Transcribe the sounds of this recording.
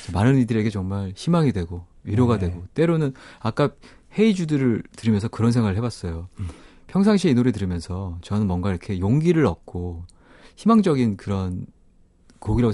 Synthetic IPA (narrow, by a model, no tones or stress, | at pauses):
t͡ɕʌmanɯnidɯɾe̞ɡe̞t͡ɕʌŋmaɭçimaŋidwe̞ɡo | ɥiɾjoɡadwe̞ɡot͈e̞ɾonɯnak͈a | he̞id͡ʑudɯɾɯɭtɯɾimjʌnsʰʌkɯɾʌnsʰeŋɡaɾɯɭɦebas͈ʌjo | pʰjʌŋsʰaŋɕʰiinoɾit̬ɯɾɯmjʌnsʰʌt͡ɕʌnɯnmwʌŋɡaiɾʌkʰe̞joŋɡiɾɯɾʌt̚k͈o | çimaŋd͡ʑʌɡinkɯɾʌn | koɡiɾaɡo